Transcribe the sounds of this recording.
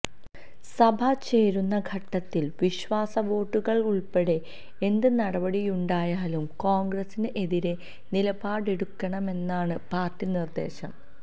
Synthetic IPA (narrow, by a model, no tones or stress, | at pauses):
sɐbʱɐt͡ɕe̞ːɾunːɐɡʱɐʈːɐt̪ːilʋiɕʋaːsɐʋo̞ːʈːuɣɐɭuɭpeɽe̞ | e̞nd̪ɨnɐɽɐbɐɽijuɳɖaːjaːlumkoːŋɡɾɐsineʔeðiɾe̞ | nilɐbaːɽeɽukːɐɳɐme̞nːaːɳɨpaːrtːinird̪e̞̰ːɕɐ̰m